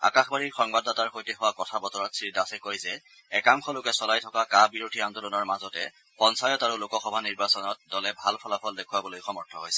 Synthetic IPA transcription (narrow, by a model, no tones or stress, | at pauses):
a̰kaxbaɹiɹxɔŋbadataɹxojteɦʊwakɔtʰabɔtɔɹɔtsɹidasɛkojzɛ | ɛkamkʰɔlʊkɛsɔlajtʰɔkakabiɹodʱiandolɔnɔɹmazɔtɛ | pɔnsajɔtaɹulokɔxɔbʱaniɹbasɔnɔt̚dɔlɛbʱalpʰɔlapʰɔldekʰʊwabɔlojxɔmɔɹtʰɔɦojsɛ̥